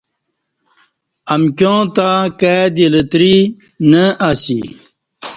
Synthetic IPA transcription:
ɐmkjõːt̪akad̪ilət̪ɾi | nəaɕḭ

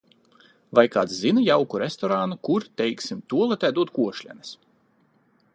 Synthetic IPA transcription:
vajkaːt̪szinajawkuɾest̪ɔɾaːnukuɾt̪ɛjksimt̪uɔlˠɛt̪ʲæd̪uɔt̪̚kuɔʃlʲɛ̰nɛs

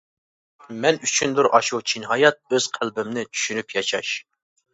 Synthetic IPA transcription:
mɛnyt͡ʃʰynd̪ʊɾʔɑʃut͡ʃʰinɦɑjɑt̪̚øz̥qʰælbɪmnɪt͡ʃʰy̥ʃynypʰjɑʃɑʃ

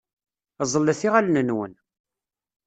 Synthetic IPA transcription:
zˤəlːæθiʁælnənwə̰n

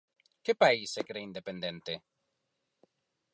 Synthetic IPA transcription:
kepaisekɾeind̪epend̪ent̪e

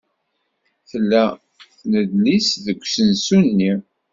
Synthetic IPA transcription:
θəlːæ | θnəd̪lisðəkʷːsənsunːi

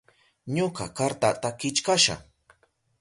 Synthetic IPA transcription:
ɲoka̰kaɾt̪at̪akɪt͡ʃkaʃa̰

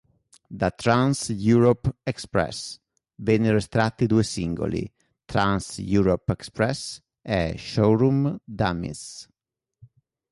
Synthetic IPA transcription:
d̪ət̪ɾãnsjuɾɔpɛkspɾɛ̰s | vɛnirɛst̪ɾat̪ːid̪uesiŋɡo̰lḭ | t̪ɾãnsjuɾɔpɛkspɾɛs | ɛʃoɾumd̪amḭs

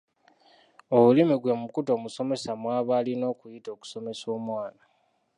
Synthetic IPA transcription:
o̞βulimiɡwe̞mukuto̞ːmuso̞me̞samwaːβaːlino̞ːkujito̞ːku̥so̞me̞so̞ːmwaːna

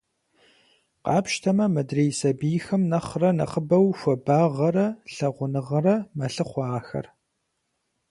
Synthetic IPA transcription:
qɑːpʃtʰɐmɐmɐdreːjsɐbiːjxɐmnɐχrɐnɐ̰χəbɐwxʷɐbaːʁɐrɐɬɐʁʷʊnɨʁɐrɐmɐɬɨχʷɑːxɐ̰r

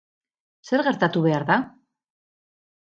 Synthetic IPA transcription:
se̞ɾɣe̞ɾt̪at̪uβe̞aɾða

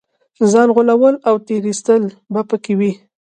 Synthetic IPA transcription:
zɑnɣʊlawəlawt̪eɾist̪əl | bapəkewi

